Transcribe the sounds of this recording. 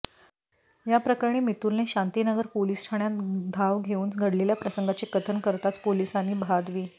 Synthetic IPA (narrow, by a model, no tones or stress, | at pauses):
japɾəkaɾɳiːmit̪uːlneɕant̪iːnəɡəɾpolisʈʰaɳ̃jat̪d̪ʱaʋɡʱeuːnɡʱəɽleljapɾəsəŋɡat͡ɕekət̪ʰənkəɾt̪at͡spolisaniːbʱad̪ʋiː